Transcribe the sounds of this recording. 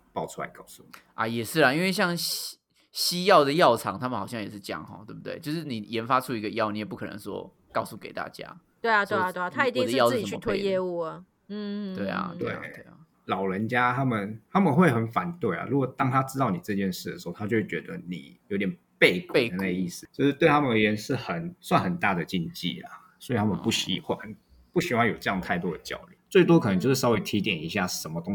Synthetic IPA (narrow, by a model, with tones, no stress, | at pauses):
pɑ˥˩ʊu˥la̰˧˥ɪkɑ˥˧ʊsu˥˩˨ʔɐ̰˩jɛ˨˩ʂɻ̩˥˩lə˩i˥nwe˥˧ɪɕ̬jɑ˥˩ŋɕ | ɕi˥jɑ˥˩ʊd̪ə˩jɑ˥˩ʊt͡sʰɑ˧˥ŋt̪ʰa˥mə˨n˨xɑ˨˩ʊɕjɑ˥˩ŋjɛ˨˩ʂ̬ɻ̩˥˩t͡ɕjɑ̰˥˩ŋɔ̰˧˦t̪wbu˩t̪we˥˩t͡ɕo˥˧ʊʂɻ̩˥˩ni˨˩jɛ˧˦˥nfa˥ʈ͡ʂʰu˥i˧˥ɡə˧jɑ˥˧ʊni˨˥jɛ˨˩p̬u˥˩kʰɤ˨˩nə̰˧˦ŋswɔ̰˦˥ | kɑ˥˧ʊsu˥˩ke˨˩ɪt̪a̰˥˩t͡ɕja̰˥ | t̪we˥˩ɪa˨˩t̪we˥˩ɪa˨t̪we˥˩a˨t̪ʰa˥i˧˥t̪i˨˧d̪ə˨˥jɑ˥ʂ̩˥˨i˨˩ə˧˨y˥mə˧t̪ʰe˥jɛ˥˧u˥˩ə˩ | n̩˥˩we˥˩ɪa̰˩t̪w̪wḛ˥˩a̰˩twe˥˩ɪa̰˩ | lɑ˨˩ʊlə˧˦nt͡ɕja˦˥t̪ʰa˥mə˨nt̪ʰa˥mə˨nxwe˥˩ɪxə˧˥nfa˨˦nt̪we˥˩ɪɐ̰˨˩ɻu˧˥kɔ˨˩t̪ɑ˥ŋt̪ʰa˥ʈ͡ʂɻ̩˥t̪ɑ˥˩ʊni˨˩ʈ͡ʂɤ˥˧t͡ɕjɛ˥˧nʂɻ̩˥˩d̪ə˩ʂɻ̩˧˥o˥˩ʊt̪ʰa˥t͡ɕo˥˧ʊʂ̩˥˩t͡ɕɥɛ˧˥d̪ə˧˦nḭ˨˩jo˨˧˥i˦t̪jʲɛ˨˩n | pe˥˧ɪkwd̪ə˩na˥˧ɡə˧i˥˩s̩˨˩t͡ɕjo˥˧ʂɻ̩˥˧t̪we˥˩ɪt̪ʰa˥mə˨ə˨˩ɥɛ˧˥nʂɻ̩˥˩xə˨˩˦nswa˥˨nxə˨˩nt̪a˥˩d̪ə˩t͡ɕi˥˧nt͡ɕḭ˥˨˩lɐ̰˩ | swɔ˧˥i˨˩t̪ʰa˥mə˨npu˥˩ɕḭ˧˩xwa˥n | pu˥˩ɕi˧˥xwa˥njo˨˩ʊʈ͡ʂɤ˥˧jɑ˥˧ŋt̪ʰa˥˩ɪt̪wɔ˦˥d̪ə˩t͡ɕjɑ̰˥˩ʊly̰˥˩t͡swe˥˩ɪt̪wɔ˥kʰɤ˨nə˧˥ŋjo˥˧ʊʂ̩˥˩sɑ˥ʊwe˧˥ɪt̪ʰi˧˥t̪jɛ˨˩ni˧˥ɕja˥˩ʂə˧˦nmə˨˧t̪ʊ˥ŋ